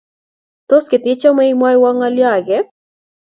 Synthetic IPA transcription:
t̪o˦skɪ˨t̪ɪ˦t͡ʃɔ˦mɛ˦imwa˦jwa˦ŋa˦lja˨ɡɛ

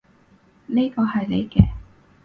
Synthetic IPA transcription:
ni˥kɔː˧ɦɐ˨jlḛ˨˧jkɛː˧

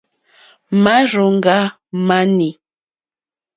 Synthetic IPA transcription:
ma˦ɾo˨ŋ˦ɡa˦ | ma˦ni˨

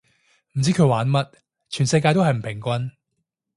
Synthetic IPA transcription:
m̩˨˩t͡siː˨˥kʰɵ˨˧ɥwaː˨˥nmɐ˥t̚ | t͡ʃʰyː˨˩nsɐ˧jkaː˧jt̪o˥whɐ˨jm̩˨˩pʰɪ˨˩ŋkʷɐ˥n

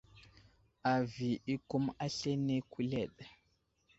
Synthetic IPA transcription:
a˨vi˨ʔi˦ku˦ma˦ɬɛ˦ne˦ku˦lɛ˨ɗa˨

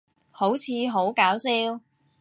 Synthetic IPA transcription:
ho˨˥wt͡sʰiː˨˧ɦo˨˥wkaː˨˥wsiː˥w

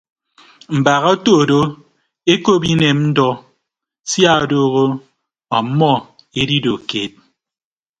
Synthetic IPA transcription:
m̩˨ba˨ɣɔ˦to˦˨do˦ | e˦ko˦bi˦ne˨mn̩˦dɔ˦ | sja˦˨o˨doː˦ɣo˦ | ɔ˨m̩˦mɔ˦˨ | e˦di˦do˨ke˨t̚

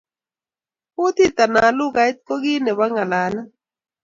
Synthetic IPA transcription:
u˦t̪i˦t̪a˨na˨lʊ˦ka˨˦i˦t̪̚kɔ˦ɡi˦nɛ˨wa˦ŋa˨la˨˦na˦

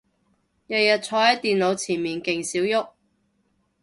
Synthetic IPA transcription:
jɐ˨jɐ˨t̚t͡sʰɔː˨˧hɐ˨˥jt̪iː˨nlo˨˧wt͡sʰiː˨˩nmiː˨˩nkɪ˨ŋsiː˨˥wjʊ˥k̚

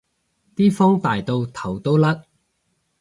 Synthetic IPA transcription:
t̪iː˥fɔ˥ŋt̪aː˨jt̪o˧wt̪ʰɐ˨˩wt̪o˥wlɐ˥t̚

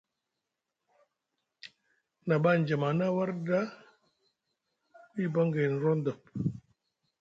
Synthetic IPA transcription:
na˨ba˦˨nd͡ʒa˨ma˨na˦wa˦ɾda˦ | wi˦bə˦ŋɡe˨n˨ɾɔ˦nd̪ə˨p̚

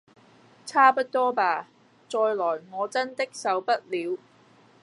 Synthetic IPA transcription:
t͡sʰaː˥pɐ˥t̚t̪ɔː˥paː˧ | t͡sɔː˧jlɔː˨˩jŋɔː˨˧t͡sɐ˥nt̪ɪ˥k̚sɐ˨˧wpɐ˥t̚liː˨˧w

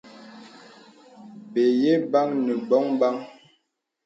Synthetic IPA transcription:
be˨je˦ba˦ŋnə˨bɔ˦ŋba˦ŋ

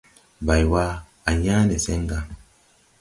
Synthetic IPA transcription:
ba˨jwa˦ | a˨ɲa˦ne˨se˦ŋɡa˨

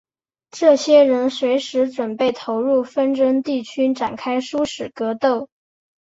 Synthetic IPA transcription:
ʈ͡ʂɤ˥˩ɕjɛ˥ɻə˧˥nswe˧˥ɪʂɻ̩˧˥ʈ͡ʂwə˨˩npe˥˩ɪt̪ʰo˧˥ʊɻu˥˩fə˥nʈ͡ʂə˥ŋt̪i˥˩t͡ɕʰy˥ʈ͡ʂa˨˩nkʰa˥ɪʂu˥ʂɻ̩˨˩kɤ˧˥t̪o˥˩ʊ

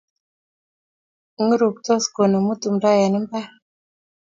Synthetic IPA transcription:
ŋ˦ɾu˨k̚tɔ˦sko˨no˨mu˦tu˨mɾa˦ja˨ni˦m˦pa˦

